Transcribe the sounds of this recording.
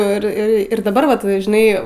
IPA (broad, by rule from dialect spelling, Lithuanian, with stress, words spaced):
ɪr ˈɪr ɪr dɐˈbɐr ˈʋɐt ʒʲɪˈnɐɪ